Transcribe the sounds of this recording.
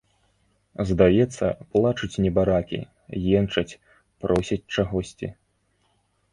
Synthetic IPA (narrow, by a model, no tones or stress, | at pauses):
zd̪ajɛt̪sːɐ̰plˠat͡ʂɨt͡sʲnʲɛbaɾakʲḭ | jɛnt͡ʂɐt͡sʲ | pɾʔɔsʲit͡sʲt͡ʂaɣɔsʲt͡sʲḭ